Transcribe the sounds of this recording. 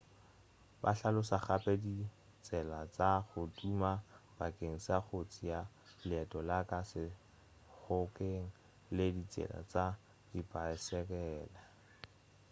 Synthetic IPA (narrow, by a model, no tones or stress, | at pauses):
ba̰ɬalʊsaχapʼɛdi | t͡sʼɛlat͡saχʊdumab̥akʼeŋ̩saχot͡sʼija | lɪɛtʼɔlakʼasɪ | χʊkeŋ̩ | ledit͡sʼɛ̰la̰t͡sa | dipʼaɪsɛkɛːla